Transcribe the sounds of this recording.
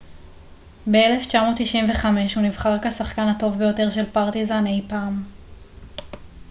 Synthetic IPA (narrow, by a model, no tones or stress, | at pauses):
beele̞ft͡ʃamo̞ːtːiʃimveχame̞ʃhunivχaʁkasaχkanato̞vbejo̞te̞ʁʃe̞lpaʁtizanejpaːm